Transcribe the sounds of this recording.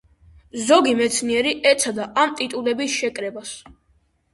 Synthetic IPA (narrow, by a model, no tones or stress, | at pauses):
zɔɡimɛt̪sʰniɛɾiʔɛt̪sʰad̪aʔamt̪ʼit̪ʼulɛbisʃɛkʼɾɛbas